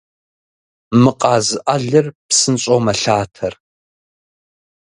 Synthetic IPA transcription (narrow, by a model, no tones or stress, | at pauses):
mɨqʼɑːzɨʔɐɮɨrpsɨnɕʼomɐɬaːtʰɐr